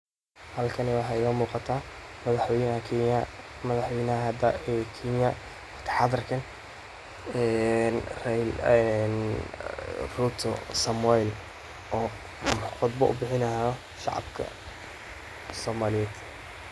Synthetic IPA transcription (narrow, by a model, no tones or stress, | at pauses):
hɐlkʰɐnɛwɑħɑːɪɣɐmuːqɑt̪ʰaːmɐðɐħwɛjnɐhɐkʰːjɐ | mɐðɑħwɛjnɐɦɦɐd̪aɛkʰinjɐ | wt̪ʰɐ̥ħɑðɐrkʰɐn | ɛnrɛjɛn | rut̪ʰɔ̰sɐmɛjl | ʔɔː | qʊd̪bɔʔʊ̰bɪħɪnɐjɔ | ʃɑ̰ʕɑ̰bkʰɐ̰ | sɔːmaːlɪjɛːd̪̥